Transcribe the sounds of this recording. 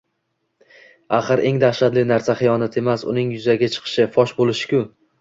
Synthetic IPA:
aχɨɾʔe̞ŋd̪aχʃat̪lɪnaɾsaχɪjɒnat̪ʰe̞masʊ̰nɪŋjʊzaɡʲat͡ʃʰɨ̥qʰɨ̥ʃɪfɒʃbolɪʃɪ̥kʲʊ

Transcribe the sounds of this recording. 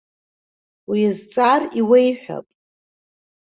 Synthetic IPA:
wizt͡sʼariwe̞jħʷᶣa̰pʼ

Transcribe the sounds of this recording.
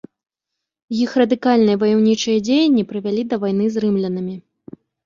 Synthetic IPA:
jixrɐd̪ɨkalʲnɨjɐvɐjɛwnʲit͡ʂɨjɐd͡zʲejɐnʲːipɾɨvʲalʲid̪ɐvajn̪ɨzrɨmlʲɛnɨmʲi

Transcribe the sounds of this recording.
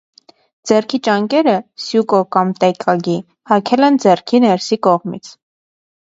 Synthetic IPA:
d͡zɛrkʰit͡ʃɑŋkɛɾəsjukɔkɑmt̪ɛkʰɑɡi | hɑkʰɛlɛnd͡zɛrkʰinɛɾsikɔʁmḭt͡sʰ

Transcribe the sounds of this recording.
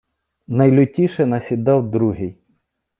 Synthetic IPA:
nɐjlʲʊtʲiʃɛnɐsʲid̪ɑwd̪ɾuɦɪj

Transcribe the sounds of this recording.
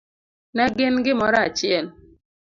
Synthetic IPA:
naɡɪnɡɪmɔɾat͡ʃjɛl

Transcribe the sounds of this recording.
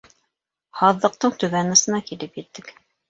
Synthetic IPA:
hɑðːɤ̆q̚t̪ɤɴt̪ʉβænɤ̆sɤ̆nɑkilɘpjɘ̆t̪ːɘk

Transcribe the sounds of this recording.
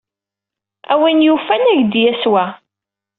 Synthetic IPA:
æ̰winjufænæʝd̪jæswæ

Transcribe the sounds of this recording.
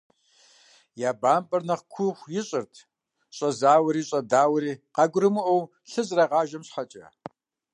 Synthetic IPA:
jaːbaːmpʼɐrnɐχkʷʰʊxʷjɪɕʼɪrtʰ | ɕʼɐzaːwɐɾiːɕʼɐdaːwɾiːqɑɡʷʊɾɨmɨʔɐw | ɬɨzrɐʁɑːʒɐmɕħɐt͡ʃʼɐ̰

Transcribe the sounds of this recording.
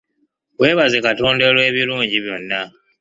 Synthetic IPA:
we̞ːβazekato̞ːnde̞lwe̞ːβiluːɲɟiβjo̞nːa

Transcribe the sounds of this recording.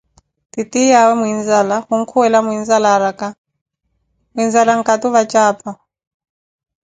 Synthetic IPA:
titijawɛmuind͡zalahuŋ̩kʰuwɛlamuind͡zalaɾaka | muind͡zalaŋ̩kʼat̪uβat͡ʃʼaːpa

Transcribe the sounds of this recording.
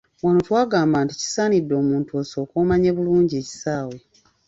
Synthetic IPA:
wanotwaːɡaːmbaːntici̥saːnidːo̞ːmuːntuo̞ːsoːkoːmaɲeβuluːɲɟie̞ːci̥saːwe̞

